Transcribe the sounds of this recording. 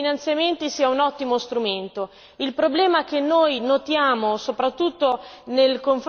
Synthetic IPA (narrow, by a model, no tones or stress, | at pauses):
inant̪sjament̪isiːaunɔt̪ːimost̪ɾument̪o | ilpɾoblɛːmaɛk̟enːojnot̪jaːmosopɾat̪ːut̪ːonelkoɱf